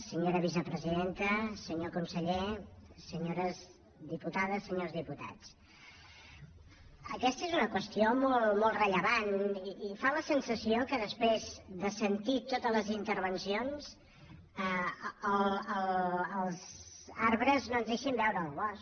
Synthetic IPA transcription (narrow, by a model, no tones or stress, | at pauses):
səɲoɾəβis̬əpɾəziðent̪əsəɲokunsəʎesəɲoɾəz | ðiput̪aðəsəɲozðiput̪a̰t͡s | əkɛst̪əezunəkwəst̪iomolˠmɔlˠtrəʎəβaniifaləsənsəsiokəðəspɾezðəsənt̪it̪ot̪ələzint̪əɾβənsionz̥ | əələləlˠzaɾβɾəznoənzðeʃimbɛwɾəːlˠβɔs